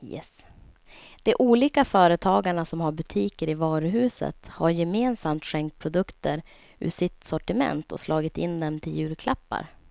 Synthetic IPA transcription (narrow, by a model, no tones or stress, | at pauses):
jɛ̰s | d̪̥ɛʔuːliːkafœːɾət̪ʰɑːɡaɳasɔmhaɾbɵt̪ʰiːkəɾɪvɑːɾɵɦʉ̟ːsə̰t̪haɾjɛmeːnsamt̪ɧɛŋkt̪̚pʰɾʊd̪ɵkt̪əɾ | ʉ̰ːsɪt̪sɔʈɪmɛ̰nt̪ʰɔ̰slɑːɡɪt̪ɪnd̪ɛmt̪ʰɪljʉ̟ːɾkʰlapːa̰ɾ